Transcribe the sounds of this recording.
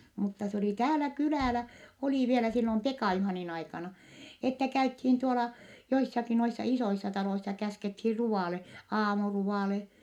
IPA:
mutːɑ s oliˑ tæːlæ kylæˑlæ oliˑ ʋielæ silːom pekɑˑ juhɑˑnin ɑikɑnɑ etːæ kæythiːn tuolɑ joisːɑki noisːɑ isoisːɑ tɑloisːɑ kæskethiːr ruɑˑle ɑːmuruʋɑˑle

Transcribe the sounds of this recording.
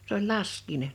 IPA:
s olʲ lɑskˑiːnen

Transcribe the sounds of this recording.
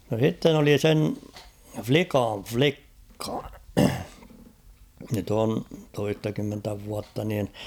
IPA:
no sitːen oli sen flikɑn̞ʲ flikːɑ nyt on toistɑkymːentæ ʋuɑtːɑ niːn

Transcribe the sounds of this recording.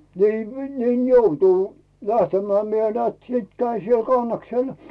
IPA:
niː niːn joutuˑ læhtemˑæː mie nĕæːt siˑt kæin̞ siel kɑnːɑksel

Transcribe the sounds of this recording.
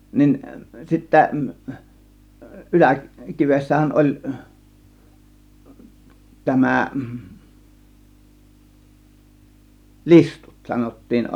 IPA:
nin sitːæ ʔylækiʋesːæhæn ʔolʲ tæmæˑ listu̥t sɑnotːiːn

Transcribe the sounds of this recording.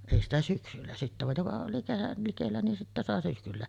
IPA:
eˑi stæ syksylːæ sitːæ ʋɑj jokɑ oli kerːɑl likelːæ ni sitːæ sɑˑe syksylːæ

